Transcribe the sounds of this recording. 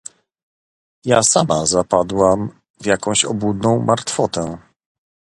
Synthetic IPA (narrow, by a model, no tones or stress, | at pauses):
jasamazapad̪wam | vʲjakɔ̃w̃ɕɔbud̪nɔ̃w̃mʔaɾt̪fɔt̪ɛ